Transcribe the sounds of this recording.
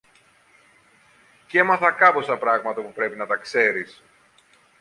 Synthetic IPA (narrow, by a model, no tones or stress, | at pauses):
cemɐθɐkɐpo̞st̪ɐpɾɐɣmɐt̪ɐpupɾe̞pinɐt̪ɐkse̞ɾis